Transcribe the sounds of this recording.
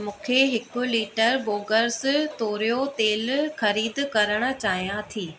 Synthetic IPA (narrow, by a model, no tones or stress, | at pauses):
mũːkʰeɦɪkʊ̆liːʈəɾboːɡəɾst̪oːɾijot̪eːlxɐɾiːd̪kɐɾəɽ̃ʊ̆t͡ɕaːɦijãt̪ʰiː